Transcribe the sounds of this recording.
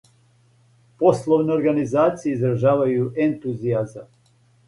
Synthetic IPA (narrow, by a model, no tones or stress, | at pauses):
poslˠoʋneoɾɡanizaːt̪sijeizɾaʒaːʋajuʔent̪uziazam